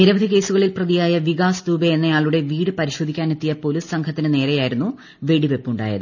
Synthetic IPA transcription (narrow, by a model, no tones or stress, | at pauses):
niɾɐbɐd̪ʱike̞ːsuɣɐɭilprɐðijaːjɐʋiɣaːsd̪uːbɐenːɐjaːɭuɽe̞ʋiːɽɨpɐɾiɕo̞ːd̪ʱikʲːaːnet̪ːijɐpo̞lissɐŋkʰɐt̪ːinɨne̞ːɾɐjaːjiɾunːu | ʋe̞ɽiʋe̞pːuɳɖa̰ːjɐ̰ðɨ